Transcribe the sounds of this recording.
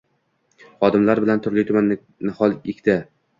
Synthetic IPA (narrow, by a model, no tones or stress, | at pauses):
χɒd̪ɪmlaɾbɪlant̪ʰʊɾlʲɪt̪ʰʊman | nɪχɒlˠɪkʲt̪ɪ